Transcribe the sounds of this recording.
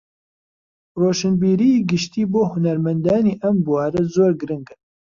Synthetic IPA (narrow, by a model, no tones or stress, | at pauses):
roːʃɨnbiːɾijiːɡɨʃt̪iːboːhʊnɐɾmɛnd̪aːniːʔɛmbuwaːɾɛzoːɾɡɨɾɨŋɡɨ